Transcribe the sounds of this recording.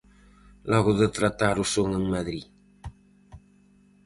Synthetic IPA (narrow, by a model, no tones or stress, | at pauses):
lɔɣuðət̪ɾat̪aɾusoŋəŋmaðɾi